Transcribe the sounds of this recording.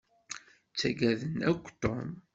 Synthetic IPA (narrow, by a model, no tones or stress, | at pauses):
t͡sːæɡæðənækʷːt̪om